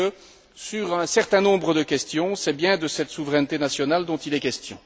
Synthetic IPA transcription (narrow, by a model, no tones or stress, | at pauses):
ə | syʁɛ̃sɛʁt̪ɛ̃nɔ̃bʁəd̪əkʲɛst̪jɔ̃sɛbjɛ̃d̪əsɛt̪suvʁɛnt̪enasjɔnald̪ɔ̃t̪ilɛkʲɛst̪jɔ̰̃